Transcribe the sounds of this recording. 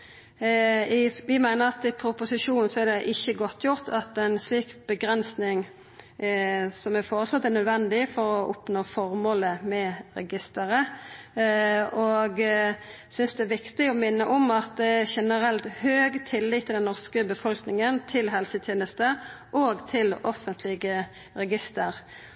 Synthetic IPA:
ɪʋɪmæɪnəɾɑt̪ɪpʰɾʊpʊsɪʂuːnn̩sɔæɾd̪ɛʔɪçːəɡɔt̪ʰːjʊʁt̪ʰɑt̪ɛɪnsliːkbəɡɾɛnsnɪŋ | sɔmæfoːʁəslɔt̪ːæɾnœd̪ʋɛnd̪ɪfɔɾɔʔʊpnoːfɔɾmoːləmɛɾɛ̰ɡɪst̪əɾə | ɔɡ | sʏnsd̪ɛæʋɪkt̪ɪɔmɪnːəʔɔmɑt̪̚d̪ɛæʃɛnəɾɛlt̪høːɡt̪ʰɪlːɪt̪ʰːɪld̪ɛnːɔʁskəbəfɔlknɪŋənt̪ʰɪlɦɛlsət̪ʰjeːnəst̪əʔoːɡt̪ʰɪlɔfənt̪ʰlɪɡə | ɾɛɡɪst̪əɾ

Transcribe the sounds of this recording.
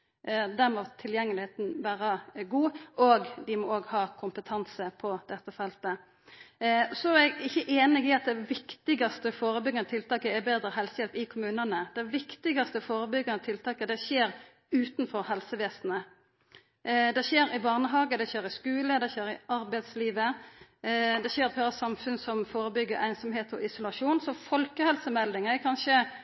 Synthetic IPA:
d̪æɾmɔt̪ʰɪljɛŋːəlɪheːt̪n̩ʋæːɾɑɡuːoːɡd̪ɪmɔoːɡhɑːkʰʊmpət̪ʰɑnsəpʰɔd̪ɛt̪ːəfɛlt̪ə | sɔɛɡɪçːəʔeːnɪɡɪɑt̪̚d̪ɛʋɪkt̪ɪɡɑst̪əfoːɾəbʏɡːənət̪ʰɪlt̪ɑːkəɛbeːd̪ɾəɦɛlsəjɛlt̪ɪkʰʊmʉːnənəd̪̥ɛʋɪkt̪ɪɡɑst̪əfoːɾəbʏɡːənət̪ʰɪlt̪ʰɑːkəd̪ɛçeːɾ | ʉːt̪nfɔɾhɛlsəʋeːsnə | d̪ɛçeːɾɪbɑʁnəɦɑːɡəd̪ɛçeːɾɪskʉːləd̪ɛçeːɾɪɑɾbæɪt̪sliːʋə | d̪ɛçeːɾp̪ʰøːɾɑsɑmfʉnsɔmfoːɾəbʏɡːəæɪnsɔmheːt̪ɔʔɪsʊlɑʂuːnsɔfɔlkəhɛlsəmɛld̪ɪŋəkʰɑnʃə

